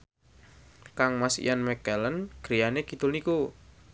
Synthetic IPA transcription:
kaŋmasḭjʔanmɛkɛlənɡ̥ɾijaneɡid̪̥ʊlniku

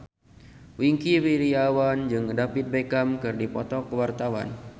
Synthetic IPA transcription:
wiŋkiwiɾiawand͡ʒɨŋdapit̪̚bekamkɨrdipɔt̪ɔkəwart̪awa̰n

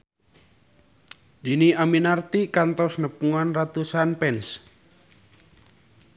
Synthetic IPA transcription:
d̪̥iniʔaminart̪ikant̪ɔsnəpuŋanrat̪usanpɛns

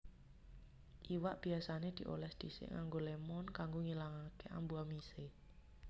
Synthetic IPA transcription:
ʔiwaʔb̥i̤asaned̪̥i̤ʔo̰lɛsd̪̥isɪ̰ʔŋaŋɡolemɔnkaŋɡoŋilaŋakeʔa̰mbuamise

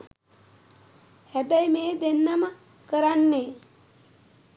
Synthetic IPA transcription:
hæbæjmeːd̪enːəmə | kəɾanːe

